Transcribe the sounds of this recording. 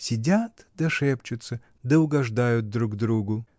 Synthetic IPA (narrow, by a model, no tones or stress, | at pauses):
sʲɪdʲat̪ | d̪ɐʂɛpt͡ʃʊt̪sə | d̪ɐʊɡɐʐd̪ajʊt̪̚d̪ɾukd̪ɾuɡʊ